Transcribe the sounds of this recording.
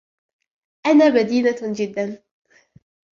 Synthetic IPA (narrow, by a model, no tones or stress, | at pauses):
ʔanaːbad̪iːnad͡ʒɪd̪ːan